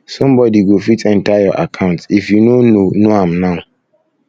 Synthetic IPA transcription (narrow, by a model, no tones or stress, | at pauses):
sɔ̃mbɔdiɡofitɛ̃ntajaʔa̰kʰãʊ̃ntsifjunononoãmnãʊ